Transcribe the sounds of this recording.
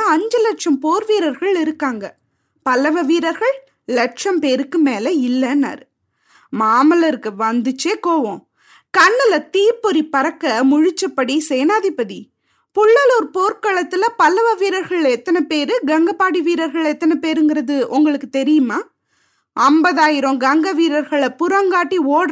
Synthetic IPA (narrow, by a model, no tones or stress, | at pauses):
ɐɲd͡ʒɐlɛʈʂɐmpoːɾʋiːɾɐɾɣɐɭɪɾɯkːaːŋɡɐ | pɐlɐʋɐʋiːɾɐɾɣɐɭ | lɛʈ̚ʂɐmpeːɾɯkːɯmeːlɐɪlːɐnɐ̰ɾ | maːmɐlɐɾɯkːɯʋɐnd̪ɯt͡ʃːeːkoːʋõː | kɐɳːɐlɐt̪iːɾpɔɾipɐɾɐkːɐmʊɻɪt͡ʃːɐpːɐɽiseːnaːðipːɐði | pʊɭːɐloɾpoːɾkɐɭɐt̪ːɪlɐpɐlɐʋɐʋiːɾɐɾɣɐɭɛt̪ːɐnɐpeːɾɯɡɐŋɡɐpːaːɽiʋiːɾɐɾɣɐɭɛt̪ːɐnɐpeːɾɯŋɡɪɾɐðɯʔʊŋɡɐɭɯkːɯt̪ɛɾɪjɯmaː | ɐmbɐðaːjɪɾõɡɐŋɡɐʋiːɾɐɾɣɐɭɐpʊɾɐŋɡaːʈːioːɽ